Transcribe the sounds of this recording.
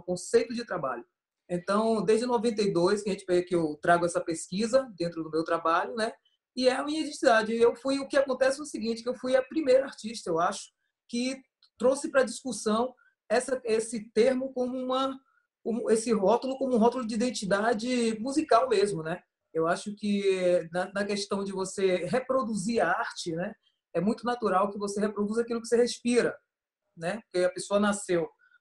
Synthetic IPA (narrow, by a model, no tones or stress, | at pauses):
kõsejt̪ʊd͡ʒɪt̪ɾaba̰ʎʊ | ẽt̪ɐ̃w̃d̪ezd͡ʒɪnɔvẽnt̪̬ejd̪ojskɪɐʒẽnt͡ʃɪ̥pejɐkɪewt̪ɾaɡʊɛsɐpeskizɐd̪ẽnt̪ɾʊd̪ʊmewt̪ɾabaʎʊnɛ | ɪɛmĩɲid̪ẽt͡ʃid̪ad͡ʒɪewfujʊkɪakõnt̪ɛsɪʊsiɡĩnt͡ʃɪkɪewfujɐpɾimejɾɐaɾt͡ʃiʃt̪ɐewaʃʊ̥ | kɪ | t̪ɾosɪpɾɐd͡ʒiskusɐ̃w̃ | ɛsɐesɪt̪eɾmʊkõmʊũmɐ | ũesɪɦɔt̪ʊlʊkõmʊũɦɔt̪ulʊd͡ʒɪid̪ẽnt͡ʃid̪ad͡ʒɪmuzikawmezmʊnɛ | ewaʃʊkɪɛnɐnɐkest̪ɐ̃w̃d͡ʒɪvoseɦepɾod̪uziɾɐaɾt͡ʃɪnɛ | ɛmũj̃t̪ʊnat̪uɾawkɪvosehepɾod̪uzakilʊkɪ̥sehespiɾɐ | nɛpokeɐpesoɐnasew